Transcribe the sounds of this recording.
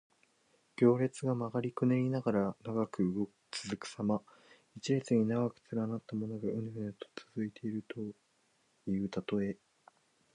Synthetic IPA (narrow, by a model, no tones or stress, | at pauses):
ɡ̥ʲo̞ːɾe̞t͡sɨɡamaɡaɾʲikɯneɾʲinaɡaɾanaɡakɯ̟ɯɡo̞kɯ̥t͡sɨzɨkɯ̟̥sama | it͡ɕiɾet͡sɨɲ̟inaɡakɯ̟̥t͡sɨɾanat̪ːamo̞no̞ɡaɯ̟̃nhɯet̪o̥t͡sɨzɨit̪ʰe̞iɾɯ̟t̪ʰo̞ | iɯːt̪at̪o̞e